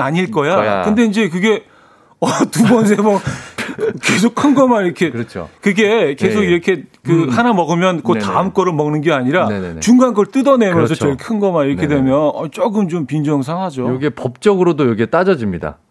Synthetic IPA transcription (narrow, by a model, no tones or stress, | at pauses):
aɲiɭk͈ʌjakɯnde̞ind͡ʑe̞kɯɡe̞ | ʌtubʌns̬ʰe̞bʌ | ke̞sʰokʰɯnɡʌmaiɾʌkʰe̞t͡ɕʰo̰kɯɡe̞ke̞sʰoɡiɾʌkʰe̞kɯhanamʌɡɯmjʌnkotaɯmk͈ʌɾɯɭmʌŋnɯnɡeaɲiɾaḛt͡ɕuŋɡanɡʌɭt͈ɯdʌne̞mjʌns̬ʰʌt͡ɕʌkʰɯnɡʌmaiɾʌkʰe̞dwe̞mjʌnʌt͡ɕ͈oɡɯmt͡ɕompind͡ʑʌŋs̬ʰaŋɦad͡ʑooɡepʌp̚t͡ɕ͈ʌɡɯɾodojʌɡet͈ad͡ʑʌd͡ʑimɲida̰